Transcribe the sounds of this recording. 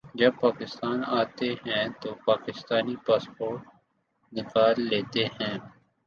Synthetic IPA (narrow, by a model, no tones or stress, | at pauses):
d͡ʒɐb̚paːkɪst̪aːnaːt̪ehɛ̃ːt̪oːpaːkɪst̪aːnipaːspoːɾʈ̚ | nɪkaːlːeːt̪ehɛ̃ː